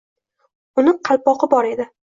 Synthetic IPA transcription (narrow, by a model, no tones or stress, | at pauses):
ʊnɪqʰɑlˠpɒqɨbɒɾe̞d̪ɪ